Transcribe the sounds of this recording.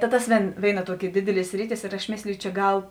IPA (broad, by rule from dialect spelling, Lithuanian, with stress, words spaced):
tɐ ˈtɐs ˈʋʲeːn ˈʋʲeːɪˌnɐ ˈtuɔˌkʲɪ ˈdʲɪdʲɪˌlʲiɛ ˈsʲrʲɪˌtʲɪs ɪr ɐʃ ˈmʲeːsʲlʲɪjʊ t͡ʃʲɛ ˈɡɐlˠ